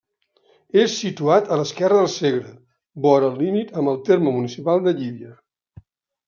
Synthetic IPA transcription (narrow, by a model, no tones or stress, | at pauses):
esːit̪uat̪ələskɛrəðəlˠseɣɾə | bɔɾəlˠlimit̪əmbəlˠt̪eɾməmunisipalˠd̪əʎiβiə